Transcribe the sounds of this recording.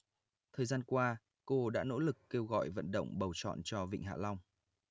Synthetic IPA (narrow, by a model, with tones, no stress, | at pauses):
t̪ʰəː˨˩jzaː˧nkwaː˧ | ko˧ɗa̰ː˧˥no̰˧˥lɨ˨˩kːe˧wɣɔ̰˧˨jvə̰˧˨nɗə̰˧˨wŋ͡mɓə˨˩wt͡ɕɔ̰˧˨nt͡ɕɔ˧vḭ˧˨ŋ̟ɦa̰ː˧˨la˧wŋ͡m